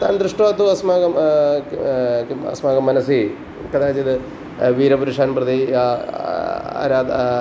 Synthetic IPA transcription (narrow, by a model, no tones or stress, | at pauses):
t̪aːnd̪ɾɨʂʈoːt̪ːuɐsmaːɡɐm | ɐ̰smaːɡɐmːɐnɐsi | kɐd̪aːt͡ɕid̪ɨ | ʋiːɾɐpuɾuʂaːnprɐd̪ia | a̰ːɾaːd̪